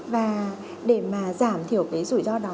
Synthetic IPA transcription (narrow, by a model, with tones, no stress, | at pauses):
vaː˨˩ | ɗe˧˩maː˨˩zaː˧˩mt̪ʰi˧˩əwkaː˨˦jzṵ˧˩jzɔ˧ɗɔ˨˦